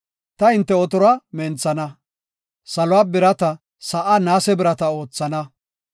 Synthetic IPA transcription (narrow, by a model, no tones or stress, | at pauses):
t̪ɐɪnt̪ːɛɔt̪ɔɾɐmɛnt͡sːɐnɐ | sɐlɔwaːbɪɾɐt̪ɐ | sɐʔanaːsɛbɪɾɐt̪ɐo̞ːt͡sːɐnɐ